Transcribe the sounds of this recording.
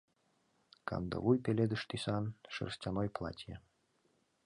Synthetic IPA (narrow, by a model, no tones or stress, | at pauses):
ka̰nd̪ɤ̰vujpʲelʲed̪ɨʃt̪isɑnʃɨ̰rsʲtʲanojplˠa̰tʲjə